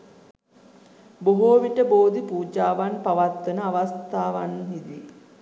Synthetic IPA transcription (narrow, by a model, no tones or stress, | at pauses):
boɦoːʋiʈəboːd̪ipuːd͡ʒaːʋanpaʋat̪ːənəaʋast̪aːʋanɦid̪i